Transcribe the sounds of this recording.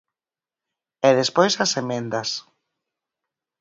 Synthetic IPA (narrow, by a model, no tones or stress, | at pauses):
ɛðespojsɐsemẽnd̪ɐs